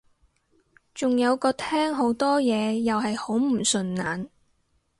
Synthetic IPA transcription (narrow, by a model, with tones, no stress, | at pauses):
t͡sʊ˨ŋjɐ˨˧wkɔː˧t̪ʰɛː˥ŋɦo˨˥wt̪ɔː˥jɛː˨˧jɐ˨wɦɐ˨jho˨˥wm̩˨˩sɵ˨nnaː˨n